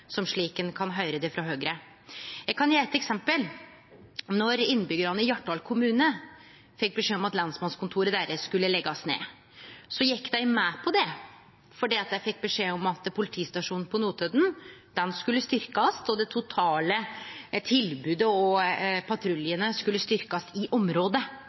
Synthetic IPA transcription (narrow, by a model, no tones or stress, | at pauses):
sɔmʂɭiːkənkʰɑnɦœʏɾəd̪ɛfɾɑɦøːɡɾə | jæɪkʰɑnjeːɛt̪ːɛksɛmpəl | nɔɾɪnːbʏɡəɾɑnəɪjɑʈːɑlkʰʊmʉːnə | fɛk̚ːbɛʂeːɔmɑt̪lɑnsmɑnskʰʊnt̪ʰuːɾəd̪æɾəskʉlːəlɛɡːɑsnḛː | sɔjɪkːd̪æɪmɛpʰɔd̪ɛ | fɔɖiːɑt̪̚d̪æɪfɛk̚ːbɛʂeːɔmɑt̪pʰʊlɪt̪ʰiːst̪ɑʂuːnn̩pʰɔnuːt̪ʰød̪nd̪̥ɛnskʉlːəst̪ʏɾkɑst̪ɔd̪ɛt̪ʰʊt̪ʰɑːlət̪ʰɪlbʉːd̪əɔpʰɑt̪ʰɾʉljənəskʉlːəst̪ʏɾkɑsɪʔɔmɾoːd̪ə